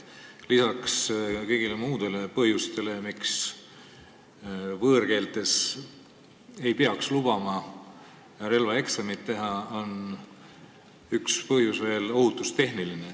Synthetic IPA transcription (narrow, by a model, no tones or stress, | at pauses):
lisɑkskɤ̞jɡ̥ilemuːd̪e̞le̞pɤɦjust̪e̞le̞miks | vɤːɾke̞ːlt̪ːˑe̞s | e̞jpeɑkslub̥ɑmɑ | jɑɾe̞lvɑe̞ksɑmit̪ːe̞ɦɑo̞n | ykspɤɦjusve̞ːlo̞ɦut̪ːˑust̪e̞ɦniline